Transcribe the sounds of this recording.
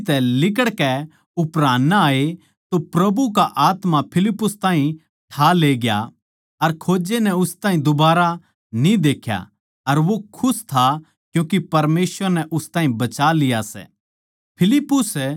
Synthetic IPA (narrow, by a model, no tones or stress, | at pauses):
t̪ɛlɪk̬əɽkɛ | ʊpɾaːnːaːe | t̪opɾɐbuk̬aʔaːt̪mapʰɪlɪpːʊst̪ãːɦĩ | ʈʰaːleːɡɪja̰ | ɐɾkʰoːd͡ʒenɛʊst̪ãːɦĩd̪ʊbaːɾa | nĩd̪eːkʰja̰ | ɐɾʋokʰʊst̪ʰa | kjũːk̬ipɐɾmeːsʋəɾnɛʔʊst̪ãːĩbɐt͡ʃalɪjasɛ̰ː | pʰɪlɪpːʊs